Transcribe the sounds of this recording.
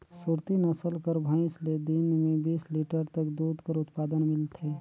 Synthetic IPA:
suɾt̪inəsəlkəɾbʱə̃ɪ̃sled̪inmẽbiːsliʈəɾt̪əkd̪uːd̪ʱkəɾʊt̪paːd̪ənmɪlt̪ʰeː

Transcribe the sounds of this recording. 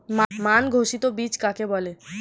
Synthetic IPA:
mamanɡʱoʃit̪obit͡ɕkakebɔle

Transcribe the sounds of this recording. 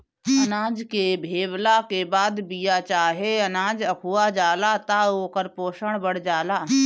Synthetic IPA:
ɐnãːd͡ʒkebʱeːʋlakeːbaːd̪bijat͡ʃaːɦeɐnãːd͡ʒɐkʰuːad͡ʒaːlaːt̪aoːkəɾpoːʃəɽ̃bəɽ̤d͡ʒaːlaː

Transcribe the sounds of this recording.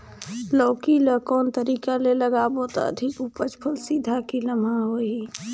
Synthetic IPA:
lɔːkiləkɔːnt̪əɾiːkaleləɡaːbot̪ɔ̰ə̰d̪ʱikupət͡ʃpʰəlsiːd̪ʱakiləmʱaɦoːi

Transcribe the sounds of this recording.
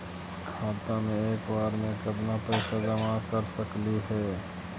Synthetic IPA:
kʰaːt̪amẽeːkbaːɾmẽkəd̪napəɪsad͡ʒəmakəɾsəkliɦɛː

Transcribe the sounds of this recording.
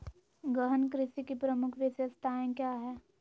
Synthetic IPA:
ɡəɦənkɾɪʃikipɾəmʊkʰʋɪsjəst̪ʰaːẽkjaːɦɛː

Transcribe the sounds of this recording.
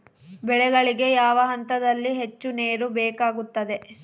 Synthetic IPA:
bɛɭɛɡɐɭiɡe̞jaːʋɐɦɐnt̪ɐd̪ɐlːiɦet͡ʃːune̞ːɾubɛːkaːɡut̪ːɐd̪e̞

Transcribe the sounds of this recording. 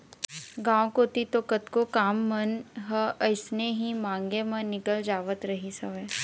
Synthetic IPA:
ɡãːwkoːt̪it̪okət̪kokaːmːɐnɦəəɪsneɦimãːŋɡemɐ̃nːɪkəld͡ʒaːʋət̪ɾɐɦisɐʋɛː

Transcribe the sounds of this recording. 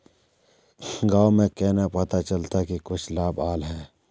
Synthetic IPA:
ɡaːmẽkɛːnapɐt̪at͡ʃɐlt̪akikʊt͡ʃʰlaːbaːlɦɛ̃ː

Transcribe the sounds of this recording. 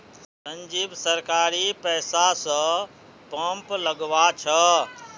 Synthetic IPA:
sə̃ɲd͡ʒiːbsəɾkaːɾipɛːsasə̃ | pə̃mpləɡʋat͡ʃʰə

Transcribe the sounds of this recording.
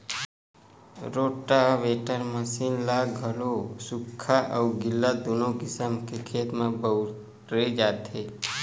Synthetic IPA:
ɾoːʈaʋeːʈəɾməsiːnlaɡʱəlosʊkʰːaʔəuɡɪlːad̪onoɡɪsəmkekʰeːt̪mẽbəʊ | ɾed͡ʒaːt̪e

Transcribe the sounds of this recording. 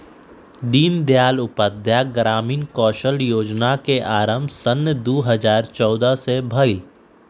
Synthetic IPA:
d̪iːnd̪jaːlʊpəd̪ʱjaɡɾaːmiːnkɔːʃəljoːd͡ʒnakeʔaːɾəmbʱsənjəd̪oːɦəzaːɾt͡ʃɔːd̪asebʱɐi

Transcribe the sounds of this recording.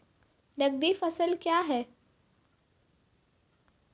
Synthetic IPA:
nɐɡ̚d̪iːfɐsəlkjaːɦɛː

